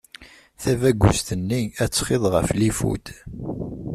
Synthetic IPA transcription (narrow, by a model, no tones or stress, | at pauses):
θævæɡʷːʊ̰st̪ənːiæt͡sːχeðˤʁəflifṵd̪